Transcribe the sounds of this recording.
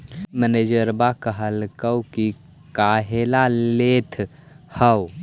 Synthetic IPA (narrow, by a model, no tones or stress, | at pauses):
məned͡ʒəɾbakəɦəlkəwki | kaɦelalet̪ʰ | həw